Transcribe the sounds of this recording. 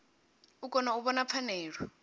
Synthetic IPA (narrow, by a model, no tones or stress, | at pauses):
uk̬ʼɔnauβɔnap̪fʰanɛːɺɔ